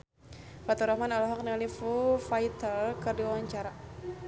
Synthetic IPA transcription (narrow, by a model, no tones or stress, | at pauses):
fat̪uɾahmanalɔɦak̚nialifufait̪alkɨrdiawaɲt͡ʃaɾa